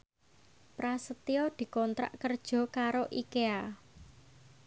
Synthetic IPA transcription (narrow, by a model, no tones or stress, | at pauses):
pɾasət̪iɔd̪̥i̤kɔnt̪ɾa̰ʔkərd̥ʒ̥ɔ̤kaɾoʔikea